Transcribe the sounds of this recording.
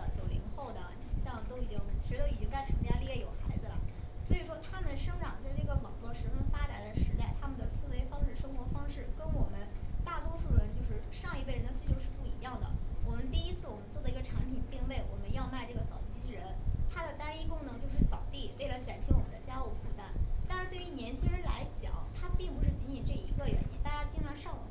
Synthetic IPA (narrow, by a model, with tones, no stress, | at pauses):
t͡ɕjo˨˩ʊli˧˥ŋxo˥˩ʊd̪ə˩˨˧ɕjɑ˥˩ŋt̪o˥ʊi˨˩t͡ɕi˥ŋʰi˧˥ʂɻ̩˧˥t̪o˥ʊi˨˩t͡ɕi˥ŋt͡sa˥˧ɪʈ͡ʂʰɤ˧˥t͡ɕja˥li˥˧jɛ˥˩jo˨˩ʊxa̰˧˥ɪd͡zɹ̩˧lə̰˩swɔ˧˥i˨˩ʂwɔ˥t̪ʰa˥mə˨nʂɤ˥ŋʈ͡ʂɑ˨˩ŋt͡sa˥˧ɪʈ͡ʂɤ˥˩ɡə˩wɑ˨˩ŋlwɔ˥˩ʂɻ̩˧˥fə˥˧nfa˥ʈ͡ʂa˨˩nd̪ə˧ʂɻ̩˧˥t̪a˥˩ɪt̪ʰa˥mə˨nd̪ə˩sɹ̩˥˩we˧˥ɪfɑ˥ŋʂɻ̩˥˩ʂɤ˥ŋxwɔ˧˥fɑ˥ŋʂɻ̩˥˩kə˥nwɔ˨˩mə˦nt̪a˥˩t̪wɔ˥ʂu˥˩ə˩ɻə˧˥nt͡ɕjo˥˧ʊʂɻ̩˥˧ʂɑ˥˧ŋi˧we˥˩ɪɻə˧˥nd̪ə˧ɕy˥˩jo˥˧ʊʂɻ̩˥˧˩pu˥˩i˧˥jɑ˥˩ŋd̪ə̰˩wɔ˨˩mə˦nt̪i˥˩i˥t͡sʰɹ̩˥˩wɔ˨˩mə˦nt͡swɔ˥˩d̪ə˩i˧˥ɡə˧ʈ͡ʂʰa˧˥npʰi˨˩nt̪i˥˧ŋle˥˩ɪwɔ˨˩mə˦njɑ˥˧ʊma˥˧ɪʈ͡ʂɤ˥˩ɡə˩sɑ˨˩ʊt̪i˥˩t͡ɕʰi˥ɻə˧˥nt̪ʰa˥d̪ə˨t̪a˥ni˥kʊ˥ŋnɤ˧˥ŋt͡ɕjo˥˧ʊʂɻ̩˥˩sɑ˨˩ʊt̪i˥˩we˥˩ɪlə˧˥t͡ɕa˨˩nt͡ɕʰi˥wɔ˨˩mə˦d̪ə˧t͡ɕja˥u˧˥fu˥˩t̪a˥nt̪a˥˧nʂɻ̩˧˥t̪we˥˩y˧˥˩njɛ˧˥nt͡ɕʰi˥ɻə˧˥nla˧˥ɪt͡ɕjɑ̰˨˩˦ʊt̪ʰa˥˧pi˥˩ŋpu˧˥ʂ̬ɻ̩˥˩t͡ɕi˧˥nt͡ɕʰi˨˩nʈ͡ʂɤ˥˩˧i˧˥ɡə˥˧ɥɛ̰˧˥ni˥t̪a˥˩t͡ɕja˥t͡ɕi˥nʈ͡ʂʰa˧˥nʂɑ˥˩ŋwɔ̰˨˩